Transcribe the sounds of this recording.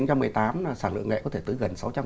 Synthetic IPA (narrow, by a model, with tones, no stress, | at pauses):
ŋt͡ɕɔ˧mːɨ˨˩əjt̪aː˨˦m˨˧˩saː˧˩nlɨ̰˧˨əŋlḛ˧˨kɔ˨˦t̪ʰe˧˩t̪ɨ˨˦ɣə˨˩nsa˨˦wt͡ɕa˧m